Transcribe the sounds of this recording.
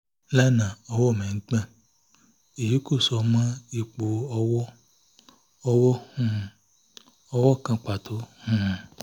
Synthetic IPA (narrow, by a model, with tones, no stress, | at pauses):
la˦nã˨ɔ˧wɔ˦˨mɛ̃˨ŋ̩˦k͡pã˦˨ | e˨ji˨˦ku˦˨sɔ˨˧mã˦i˦k͡po˧ɔ˧wɔ˦ | ɔ˧wɔ˦hũ˦˨ | ɔ˧wɔ˦˨kã˧k͡pa˨tʰo˨˦hũ˦˨